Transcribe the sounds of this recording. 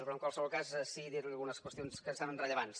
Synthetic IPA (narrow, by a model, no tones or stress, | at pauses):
pɾɔəŋkwalˠsəβɔlˠkazsiðiɾliəlˠɣunəskwəst̪ionskəsaβənrəʎəβans